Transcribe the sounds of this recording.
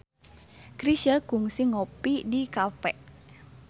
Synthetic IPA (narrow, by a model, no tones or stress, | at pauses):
kɾiʃəɡ̥uŋsɪŋopidikafɛ̰ʔ